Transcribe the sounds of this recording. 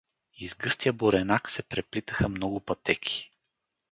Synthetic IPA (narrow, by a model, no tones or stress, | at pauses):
izɡɤst̪ijəboɾɛnaksɛpɾɛplit̪əxəmnɔɡʊpɐt̪ɛkʲʰi̥